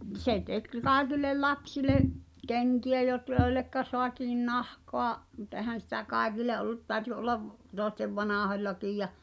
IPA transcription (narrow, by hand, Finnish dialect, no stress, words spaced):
se tek kɑˑi̞kilˑel lɑpsileʔ keŋkiæ jot joi̞lːekːɑ soɑtiːn nɑhkoɑ mut ɛhæn̞ sitæ kɑˑekile ʔolˑut tæːø̆ty ʔolːɑʋ toˑesteʋ ʋɑnɑˑholʲlɑkij jɑ